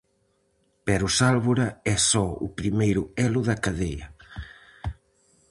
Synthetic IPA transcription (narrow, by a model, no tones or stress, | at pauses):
pɛɾʊsalβuɾɐɛsɔʊ̰pɾimejɾʊɛlʊðɐkaðejɐ